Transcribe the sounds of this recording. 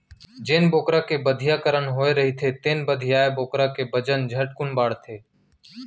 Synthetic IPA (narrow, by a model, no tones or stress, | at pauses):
d͡ʒeːnboːkɾãːkebəd̪ʱɪjaːkəɾənɦoːeɾəɦit̪ʰeːt̪eːnbəd̪ʱɪjaːeboːkɾãkebəd͡ʒənd͡ʒʱəʈ̚kʊnbaːɽt̪ʰeː